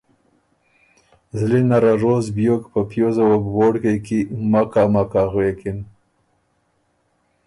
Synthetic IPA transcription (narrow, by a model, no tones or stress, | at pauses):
zlinaɾaɾozbjokpəpjozawabwoɽkekimakamakaɣwekɪn